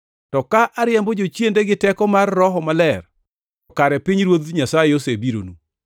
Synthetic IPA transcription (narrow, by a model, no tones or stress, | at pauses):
tɔkaʔaɾjɛmbɔd͡ʒot͡ʃjendeɡɪtɛkɔmarːɔɦɔmalɛr | ɔkaɾɛpiɲɾwod̪ɲasajeosebiɾo̰nu